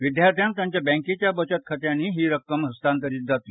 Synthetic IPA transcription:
ʋid̪jaɾt̪ʰjãnt̪jãɲt͡ɕjabɛ̃ŋket͡ɕjabət͡ɕət̪kʰət̪janːiːɦiːɾəkːəmɦəst̪ãnt̪̬əɾiːt̪̚d͡zat̪i

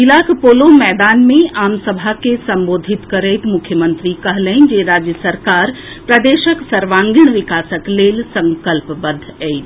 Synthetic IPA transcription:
ɦilaːkpoːlomɛːd̪aːnmẽʔaːmsəbʱakesɐ̃mboːd̪ʱit̪kɐɾeːt̪mʊkʰjəmə̃nt̪ɾikɐɦlənd͡ʒeːɾaːd͡ʒjəsəɾkaːɾ | pɾɐd̪eːʃəksɐɾʋãːŋɡɪɽ̃ʋɪkaːsəkleːlsɐ̃ŋkəlpbɐd̪ʱːɛit̪

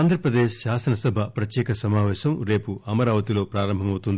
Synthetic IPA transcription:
aːnd̪ʱɾɐpɾɐd̪eːʃːaːsɐnɐsɐbʱɐpɾɐt̪jɛːkɐsɐmaːʋɛːʃɐmɾe̞ːpuɐmɐɾaːʋɐt̪ilo̞ːpɾaːɾɐmbʱɐmɐwt̪und̪i

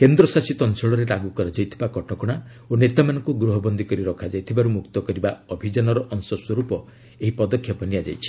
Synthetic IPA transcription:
kend̪ɾɔsasit̪ɔnt͡ʃɔɭɔɾeɾaɡukɔɾad͡ʒajt̪ʰibakɔʈɔkɔɽ̃a | onet̪amanɔŋkuɡɾuɦɔbɔnd̪ikɔɾiɾɔkʰad͡ʒajt̪ʰibaɾumukt̪ɔkɔɾibaɔbʱid͡ʒanɔɾɔʔɔŋsɔswɔɾupɔ | eɦipɔd̪ɔkʰːjɔpɔnijad͡ʒa̰jt͡ʃʰi̥

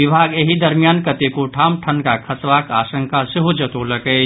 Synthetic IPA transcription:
ɪbʱaːɡeɦid̪ɐɾmijaːnkɐt̪ekoʈʰaːmʈʰɐnkakʰɐsʋaːka̰ːsə̃ŋkʰasɪɦud͡ʒɐt̪olɐkeː

